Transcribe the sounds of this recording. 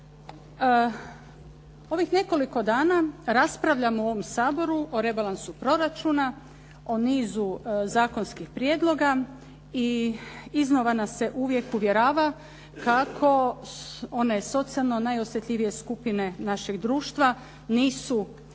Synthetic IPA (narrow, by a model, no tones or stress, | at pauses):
o̞ʋixne̞ko̞liko̞d̪aːnaɾaspɾaʋʎamooʋo̞msaːbo̞ɾuʔoɾe̞balˠansupɾo̞ɾat͡ʃuːna | o̞niːzuzaːko̞nskixpɾjed̪lˠo̞ɡa | i | iznoʋanase̞ʔuʋje̞kuʋje̞ɾaːʋa | kakʰo̞ | o̞ne̞so̞t̪sialˠno̞najo̞sjet̪ʎʲiʋije̞skupine̞naʃeɡd̪ɾuːʃt̪ʋa | niːsu